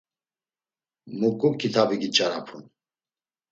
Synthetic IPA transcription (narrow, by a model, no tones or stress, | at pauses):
mukʼukʰit̪ʰabiɡit͡ʃʼaɾapʰun